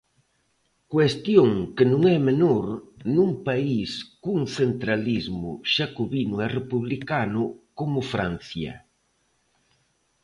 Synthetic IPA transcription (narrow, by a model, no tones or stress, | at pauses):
kwest̪joŋkɪnũŋɛmenoɾnuŋpaiskuŋθent̪ɾalizmʊ̰ʃakoβinʊɛrepuβlikanʊkomʊfɾan̟θjɐ̰